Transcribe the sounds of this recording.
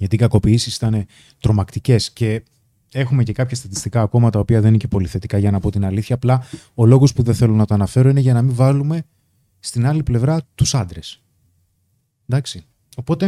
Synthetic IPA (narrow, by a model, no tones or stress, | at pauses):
ʝɐt̪ikɐko̞piisisi̥t̪ɐne̞ | t̪ɾo̞mɐkt̪ice̞sce̞ | e̞xume̞ce̞kɐpçɐst̪ɐt̪i̥st̪ikɐːko̞mɐt̪ɐopiɐðeniçepo̞liθe̞t̪ikɐʝɐnɐpo̞t̪inɐliθçɐːplɐ | o̞lo̞ɣo̞spuðenθe̞lo̞nɐt̪oɐnɐfe̞ɾo̞ine̞ʝɐnɐmiɱvɐlume̞ | st̪inɐliple̞vɾɐt̪usɐnd̪ɾe̞s | d̪ɐksi | o̞po̞t̪e̞